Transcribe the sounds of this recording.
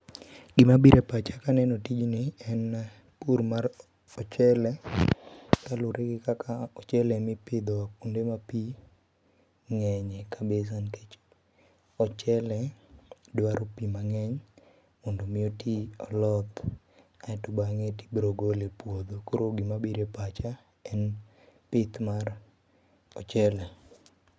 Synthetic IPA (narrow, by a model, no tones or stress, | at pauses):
ɡɪmabiɾʔepat͡ʃakanɛnɔtid͡ʒnɪɛn | puɾmaɾ | ɔt͡ʃɛlɛ | kalʊɾʔeɡɪkakʰaɔt͡ʃɛlɛmɪpɪd̪ɔakundemapi | ŋɛɲɛkabes̬anket͡ʃ | ɔt͡ʃɛlɛdwaɾopimaŋɛɲ | mɔndomɪotʰiɔlɔt̪ | aɛtʊbaŋeti̥bɾoɡolepwod̪okoɾoɡimabiɾepat͡ʃa | ɛn | pɪt̪mar | ɔt͡ʃɛlɛ